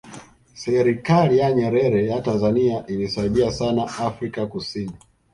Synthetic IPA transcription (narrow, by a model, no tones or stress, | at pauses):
sɛɾikalijaɲɛɾɛɾɛjatanzaniaʔilisaiɗiasanaafɾikakusini